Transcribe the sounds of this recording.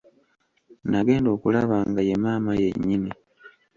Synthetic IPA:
naɡe̞ːndo̞ːkulaβaːŋɡaje̞maːmajeɲːini

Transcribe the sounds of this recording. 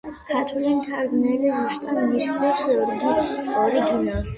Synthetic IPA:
kʰat̪ʰulimt̪ʰaɾɡnɛlizuʃt̪ʼad̪misd̪ɛpsɔɾɡ̪iɔɾiɡinas

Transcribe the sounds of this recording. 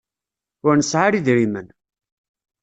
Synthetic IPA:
ʊɾnəsʕaɾiðɾimən

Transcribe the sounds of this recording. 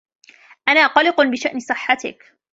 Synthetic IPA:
ʔanaːqɑlɪqbɪʃaʔnɪsˤɨħːat̪ɪ̰k

